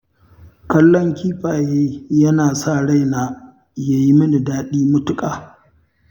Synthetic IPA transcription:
kɐ˦lːɔ˦ŋkʲiː˦ɸaː˨jeː˦jɐ˦naː˨sa˦˨ɽa˦˨jnaː˨ | ja˨ji˦mɐ˦nɪ˨daː˦ɗiː˦mʊ˦tʊ˦kʼaː˨

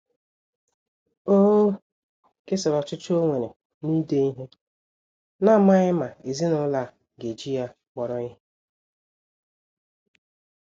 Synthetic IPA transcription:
oː˦ | ke˦sɪ˨ɾɔ˨t͡ʃʊ˦t͡ʃo˦ŋʷe˨ɾe˨ | ni˦de˦i˦ɦe˦ | na˦˨ma˦ɣɪ˦ma˨e˨zi˦nʊ˨˦la˦˨ | ɡe˨d͡ʒi˦ja˦ | k͡pɔ˨ɾɔ˦ɪ˦ɦe˦

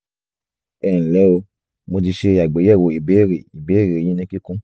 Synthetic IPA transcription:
ɛ̃˦˨lɛ˨˦o˧ | mo˧ti˧ʃe˧˦a˨ɡ͡be˨˦ɛ˦˨wo˨i˨be˨˦˨ɾe˨i˨be˨˦ɾe˨e˨j̃ĩ˦nĩ˦ki˦kũ˦

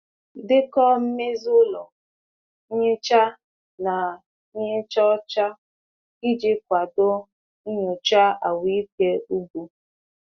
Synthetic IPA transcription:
dɪ˦kɔ˦m̩˦me˦zʊ˦lɔ˨˦ | ɲe˦t͡ʃa˦ | na˨˦ | ɲe˦t͡ʃɔ˦t͡ʃa˦ | ki˦d͡ʒɪ˦kʷa˨dʊ˦ | ɲʊ˨t͡ʃa˦a˨wi˨˦ke˦u˦bu˨

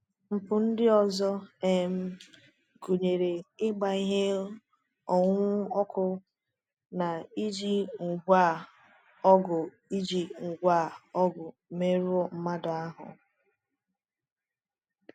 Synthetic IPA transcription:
m̩˨pʊ˨n̩˦dɪ˦ɔ˨zɔ˦e˨m̩˦ | ɡu˨ɲe˨ɾe˨ɪ˦ɡ͡ba˨i˦ɦe˦ | ɔ˨ŋʷʊ˦ɔ˦kʊ˦ | na˨i˦d͡ʒi˦ŋ̩˨ɡʷa˦˨ | ɔ˦ɡʊ˨ | i˦d͡ʒi˨ŋ̩˨ɡʷa˦˨ɔ˦ɡʊ˨me˦ɾu˦ɔ˦m̩˦ma˦dʊ˨a˦ɦʊ̰˨

